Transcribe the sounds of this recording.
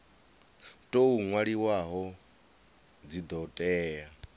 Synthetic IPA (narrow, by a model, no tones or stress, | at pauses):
tʼouŋwaɺiwaɦɔ | d͡zid̪ɔtʼɛːa